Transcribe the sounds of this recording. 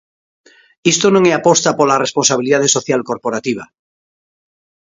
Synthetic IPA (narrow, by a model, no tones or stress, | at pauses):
ist̪onõŋeapost̪apolaresponsaβ̞iliðaðeso̞θjalko̞ɾpoɾat̪iβ̞a